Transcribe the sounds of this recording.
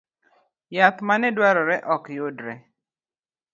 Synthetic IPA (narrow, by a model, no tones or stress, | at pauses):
jat̪manɛdwaɾɔɾɛʔɔkjodɾɛ